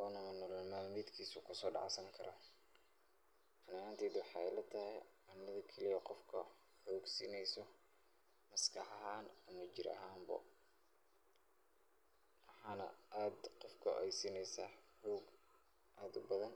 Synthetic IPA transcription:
ʔɔːnɐmɐnɔlɐmaːlmjd̪kʰiːsʊkʰʊsɔːɖɑ̰ʕsɐŋkʰɐɾɔ | ʔɐnant̪ʰɛːd̪wɑħɑɛ̰jlɐt̪ʰɐhɛj | ɑnːɐðɐkʰɐlijɐqɔfkʰɐ | ħɔːɡsiːnɛjsɔ | mɐskʰɑħɑɦaːnɐmɐt͡ʃɪɾɐ̰ɦaːmbɐ̰ | wħɑːnɐ̰ʔaːd̪qɔfkʰɐʔɛjsiːnɛjsaːħɔːɡ | ʔaːd̪ʊbɐðɐn

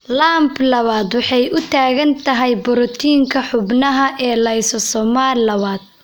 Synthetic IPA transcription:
laːmblɐβaːd̪wɑħɑjʊt̪ʰaːɣɐnt̪ʰɐɦɛjbɔɾɔt̪ʰiːŋkʰɐħʊbnɐɦɐʔɛːlɐjsɔsɔmaːllɐβaːd̪̚

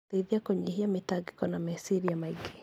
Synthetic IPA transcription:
teiðiakoɲihiametaɡi̥kɔnamesiɾijamaiɡe

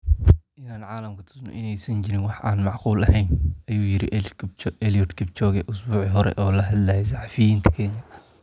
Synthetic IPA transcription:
ʔɪnaːnʕɑːlɐmkɐt̪ʰʊ̥snɔ̰ʔɪnɛjsɐnt͡ʃɪɾɪnwɑħʔaːnmɑʕquːlɐhɛjnɐjuːjɪɾɪ̰ | ɛliɔd̪kʰɪb̚t͡ʃɔːɣɛʔʊsbuːʕiɦɔɾɛ̰ʔɔːlɐɦɐd̪lɐːjɛs̬ɑħɑfɪjiːnt̪ʰɐ̥kʰɛːɲɐ

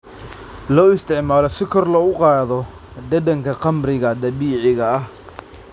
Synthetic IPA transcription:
lɔːɪst̪ʰɪʕmaːlɔsɪkʰɔrlɐʊqɑːðɔ | d̪ɐd̪ɐŋkʰɐqɑmɾɪɣɐd̪ɐβiːʕɪɣɐɐh

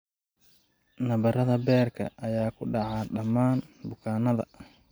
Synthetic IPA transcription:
nɐβɐɾɐðɐbɛːrkʰɐ̰ʔɐjaːkʰʊɖɑʕɑɖɐmaːnbʊkʰaːnɐðɐ̰

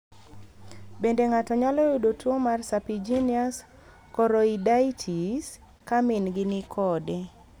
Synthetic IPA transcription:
bendeŋatɔɲalɔjudotwomarsapid͡ʒinias | kɔɾɔidaitʰis | kamɪnɡɪnɪkʰɔdɛ

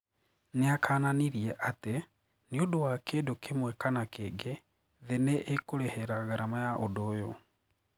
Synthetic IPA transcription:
neakʰaːnaniɾiɛʔate | niodowakedokʰemwɛkanakeːɡe | ðeneʔekoɾɛhɛɾaɣaɾamajaʔodoːjo

